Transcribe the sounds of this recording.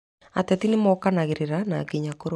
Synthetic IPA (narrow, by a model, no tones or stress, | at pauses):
a̰tɛtinemɔkanaɣeɾeɾana̰kiɲakoɾo